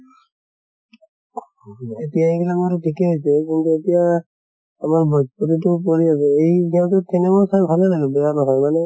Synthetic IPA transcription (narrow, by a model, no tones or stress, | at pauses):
etijaikʰilakaɾutʰikɛɦojsɛkintuetija | amaɹbɔd͡ʒpuɾitʊp̬oɹiasɛejkʰijawtʊtʰːɛnɛbɔsajbʱalɛlaɡɛbɛjanɔɦɔjmanɛ